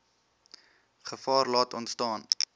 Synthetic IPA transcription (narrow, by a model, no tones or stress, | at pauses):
χəfɑːrlɑːtɔntstɑːn